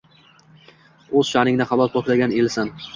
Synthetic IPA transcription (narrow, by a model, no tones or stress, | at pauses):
ɵz̥ʃahɾɪŋd̪aχɑbɒlpʰɒkʰʲlaɡʲanelsan